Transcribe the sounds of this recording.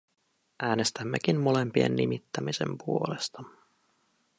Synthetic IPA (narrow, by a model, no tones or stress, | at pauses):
ʔæːne̞st̪æmːekimmo̞le̞mpie̞̰nːimit̪ːæmisḛmpuo̞le̞st̪ɑ